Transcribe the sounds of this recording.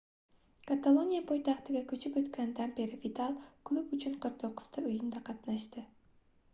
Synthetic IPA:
kʰat̪ʰalˠonijapʰojt̪ʰɑχt̪ɪɡʲakʰɵt͡ʃʰɪpɵt̪kʲand̪anpeɾɪvit̪ʰalˠkʰlˠubʊt͡ʃʰʊnqʰɨɾq̚t̪ʰoqʰːɨ̥z̥t̪ʰaɵjɪnd̪aqʰɑt̪naʃt̪ɪ

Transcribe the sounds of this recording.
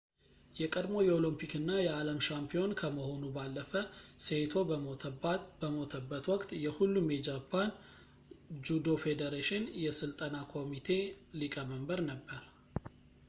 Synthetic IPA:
jɛkʼəd̪mo̞jɛolɨmpʰikɨnːajɛaləmʃampʰijo̞nkʰəməho̞nubalːəfəset̪ʰo̞ | bəmot̪ʰəbːət̪wɔkʼt̪ʼjɛhulːumjɛd͡ʒapʰːan | d͡ʒud̪o̞fed̪eɾeʃɪnjɛsɨlt̪ʼənakʰo̞mit̪ʰe̞ | likʼəməmbəɾnəbːəɾ

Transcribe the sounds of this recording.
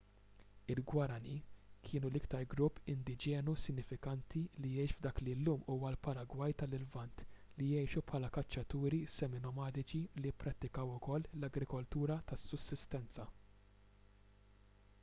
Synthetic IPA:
ɪlɡwɐɾɐnikʰɪːnulɪkt̪ɐɾɡɾʊpːɪnd̪ɪd͡ʒɛːnusɪnːɪfɪkɐnt̪ilijɛjʃvd̪ɐːklilːuːmuːwɐlpɐɾɐɡwɐjt̪ɐlɪlvɐnt̪ | lijɛjʃupħɐːlɐkɐt͡ʃːɐt̪uːɾisɛmɪnɔmɐːt̪ɪt͡ʃilijɪpːɾɐt̪ːɪkɐwʊkɔlːlɐɡɾɪkɔlt̪uːɾɐt̪ɐsːʊsːɪst̪ɛnt͡sɐ

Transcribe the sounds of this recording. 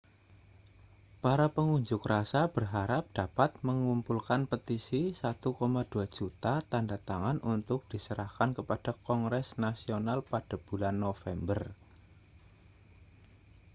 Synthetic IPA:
paɾapəŋuɲd͡ʒʊkrasab̥ərɦaɾap̚d̥apat̪̚məŋumpulkanpət̪isisat̪ukomad̥uḁd͡ʒ̥ut̪at̪andat̪aŋanʔunt̪ʊk̚d̥isəɾahkankəpad̥a̤kɔŋɾɛsnasionalpad̥a̤b̥ulanːofɛmbər

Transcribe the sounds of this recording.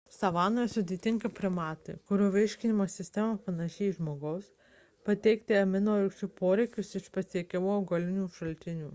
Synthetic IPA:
sɐʋɑːnoːjɛsʊd̪ʲeːt̪ʲɪŋkɐpʲɾʲɪmɑːt̪ʲɪ̰kʊɾʲoʋʲɛɪʃʲkʲɪnʲɪmoːsʲɪsʲt̪ʲɛmɐpɐnɐʃʲɛːʒmoːɡɐʊs | pɐt̪ʲɛɪkt̪ʲɪɐmʲɪnoːɾʲɪkt͡ʃʲuːpoːɾʲɛɪkʲʊsɪʃpɐsʲiɛkʲɛmuːɡɐlʲɪnʲuːʃɐlʲt̪ʲɪnʲuː

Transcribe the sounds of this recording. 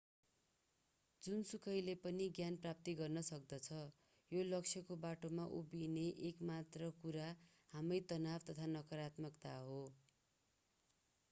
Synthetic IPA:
d͡zunsukʰʌjlepʌniɡjanprap̚t̪iɡʌrnʌsʌk̚d̪ʌt͡sʰʌ | jolʌksʰjʌkobaʈomaʔubineʔekmat̪rʌkuɾa | hamʌjt̪ʌnabt̪ʌt̪ʰanʌkʌɾat̪mʌkt̪aɦo

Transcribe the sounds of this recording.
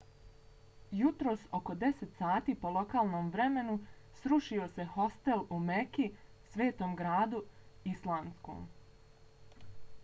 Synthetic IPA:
jut̪ɾo̞ːso̞ko̞d̪e̞set̪saːt̪iːpo̞lˠo̞kaːlˠno̞ːmʋɾe̞me̞nu | sɾuʃio̞se̞ho̞st̪e̞lumeki | sʋe̞ːt̪o̞ːmɡɾaːd̪uislˠaːnsko̰ːm

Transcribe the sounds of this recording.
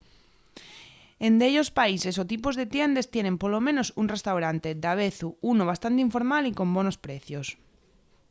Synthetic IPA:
end̪eʎospaisesot̪ipozðet̪jend̪est̪jenempolomẽnosunrest̪awɾant̪ed̪aβ̞eθuunoβ̞ast̪ant̪̬eiɱfo̞ɾmaliko̞mbonospɾeθjos

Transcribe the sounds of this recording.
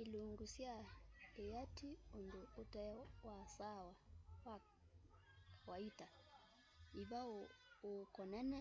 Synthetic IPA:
iluŋɡusjaejatʰionduːtawasawawa | waita | iβaokɔnana

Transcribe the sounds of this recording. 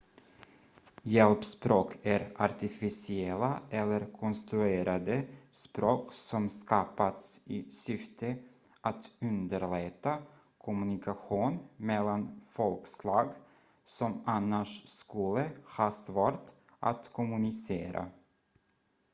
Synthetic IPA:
jɛlpspɾoːkʰæɾaɾt̪ɪfɪsɪɛlːaɛlːəɾkʰɔnst̪ɾʉeːɾʔad̪əspɾoːksɔmskɑːpat̪sɪsʏft̪ʰə | ʔat̪ɵnd̪əɾɭɛt̪a | kʰʊmɵnɪkʰaɧuːnmɛlːanfɔlkslɑːɡ | sɔmanːaʂskɵlːəhɑːsvoːɾʈ | ʔa̰t̪kʰʊmɵnɪseːɾʔa̰

